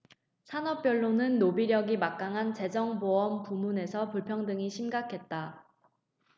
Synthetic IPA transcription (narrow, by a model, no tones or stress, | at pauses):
sʰanʌp̚p͈jʌɭːonɯnːobiɾjʌɡimak̚k͈aŋɦant͡ɕe̞d͡ʑʌŋboʌmpumune̞sʰʌpuɭpʰjʌŋdɯŋiɕʰimɡakʰe̞t̚t͈a